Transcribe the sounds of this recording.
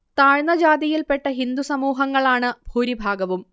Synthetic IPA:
t̪aːɻnɐd͡ʑaːd̪ijilpe̞ʈːɐɦind̪usɐmuːɦɐŋːɐɭaːɳɨbʱuːɾibʱaːɡɐʋum

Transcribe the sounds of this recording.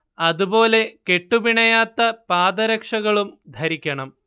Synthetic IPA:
ɐðubo̞ːle̞ke̞ʈːubiɳɐjaːt̪ːɐpaːd̪ɐɾɐkʂɐɣɐɭumd̪ʱɐɾikʲːɐɳɐm

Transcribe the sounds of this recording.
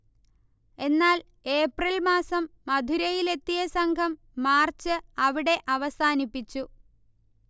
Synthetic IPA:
e̞nːaːl | e̞ːprilmaːsɐmːɐd̪ʱuɾɐjile̞t̪ːijɐsɐŋɡkɐmː | aːrt͡ɕːɨɐʋiɽe̞ʔɐʋɐsaːnipːit͡ɕːu

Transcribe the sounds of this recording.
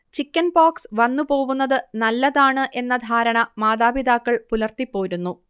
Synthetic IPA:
t͡ɕikʲːɐnbaːksʋɐnːɨpo̞ːʋunːɐðɨnɐlːɐðaːɳɨʔe̞nːɐd̪ʱaːɾɐɳɐmaːd̪aːbid̪aːkːɐɭpulɐrt̪ipːo̞ːɾunːu

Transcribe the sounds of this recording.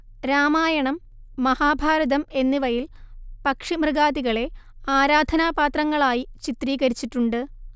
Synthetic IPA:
ɾaːmaːjɐɳɐmː | ɐhaːbʱaːɾɐðɐme̞nːiʋɐjilpɐkʂimrɨɣaːðiɣɐɭe̞ | aːɾaːd̪ʱɐnaːpaːt̪rɐŋːɐɭaːjit͡ɕit̪riːɣɐɾit͡ɕːiʈːuɳɖɨ

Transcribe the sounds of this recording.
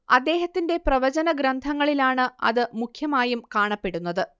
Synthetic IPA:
ɐd̪ːe̞ːɦɐt̪ːinde̞prɐʋɐd͡ʑɐnɐɡɾɐnd̪ʱɐŋːɐɭilaːɳɨɐ̰ðɨmukʰjɐmaːjumkaːɳɐpːe̞ɽunːɐðɨ

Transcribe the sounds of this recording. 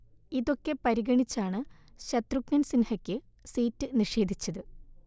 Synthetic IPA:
iðo̞kːe̞pɐɾiɣɐɳit͡ɕːaːɳɨ | ɕɐt̪ruknɐnsinhɐkʲːɨ | siːtːɨniʂe̞ːd̪ʱit͡ɕːɐðɨ

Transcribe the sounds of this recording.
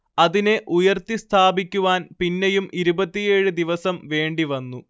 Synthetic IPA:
ɐðine̞ʔujɐrt̪ːist̪ʰaːbikʲːuʋaːnpinːejumʔiɾubɐt̪ːije̞ːɻɨd̪iʋɐsɐmʋe̞ːɳɖiʋɐnːu

